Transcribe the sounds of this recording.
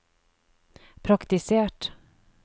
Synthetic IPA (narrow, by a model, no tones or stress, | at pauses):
pʰɾakt̪ɪseːʈ